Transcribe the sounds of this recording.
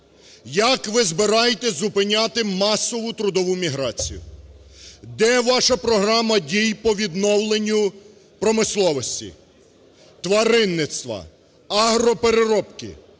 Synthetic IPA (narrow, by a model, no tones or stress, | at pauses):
jɐkʋɪzbɪɾɑjet̪ɛzʊpɪnʲat̪ɪmɑsɔʋʊt̪ɾʊd̪ɔʋʊmʲiɦɾɑt͡sʲḭjʊ̰ | d̪ɛʋɑʃɐpɾɔɦɾɑmɐdʲijpɔʋʲid̪nɔwlˠenʲːʊ | pɾɔmɪslˠɔʋɔsʲtʲḭ | t̪ʋɐɾɪnːɪt̪st̪ʋɐ̰ | ɐɦɾɔpeɾeɾɔpkɪ̰